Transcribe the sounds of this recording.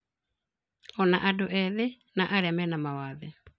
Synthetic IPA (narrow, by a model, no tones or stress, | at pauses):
ɔnaʔadoʔɛðe | naʔaɾeamɛnamawaðɛ